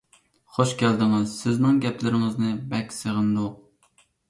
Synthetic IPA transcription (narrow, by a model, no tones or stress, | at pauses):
χoʃkʲʰæld̪ɪŋɪzsɪznɪŋɡʲɛplɪɾɪŋɪznɪbɛkʲsɨʁɨnd̪uq